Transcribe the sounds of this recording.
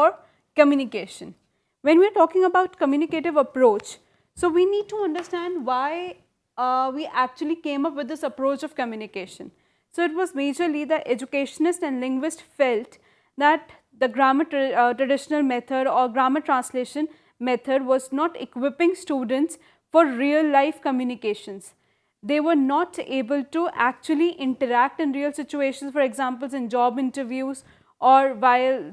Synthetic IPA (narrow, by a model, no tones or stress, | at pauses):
ɔɾ | kəmjuːnɪkeːʃə̃n | ʋɛ̃nʋiəɾʈɔːkɪ̃ŋəbaʊʈkəmjuːnɪkeːʈɪʋəpɾoːt͡ʃ | soːʋiːniːɖ̚ʈuʌ̃ɳɖəɾsʈæ̃ɳɖʋaɪ | ʋiːʔæk̚t͡ʃuəlikẽːmʌpʋɪd̪ːɪsəpɾoːt͡ʃɔʋkəmjunɪkeːʃə̃n | soːɪʈ̬ʋɔːzmeːd͡ʒəɾlid̪əʔɛd͡ʒukeːʃənɪsʈæ̃nɖlɪ̃ŋɡʋɪsʈfɛlʈ | d̪æʈ | d̪əɡɾaːməʈʈɾəɖɪʃənəlmɛt̪ʰəɖɔːɾɡɾaːməʈɾãːnsleːʃə̃n | mɛt̪ʰəɖʋɔːznɔːʈɪ̰kwɪpɪ̃ŋsʈuːɖə̃nɳʈs | fɔːɾːiːəlːaɪfkəmjuːnɪkeːʃə̃ns | d̪eːʋəɾnɔːʈeːbəlʈuʔæk̚t͡ʃuəliʔɪ̃ɳʈəɾæk̚ʈɪ̃nɾiːəlsɪt͡ʃueːʃə̃nsfɔɾɛɡzãːmpəlzɪ̃nd͡ʒɔːbɪ̃ɳʈəɾʋjuːz | ʔɔːɾʋaɪl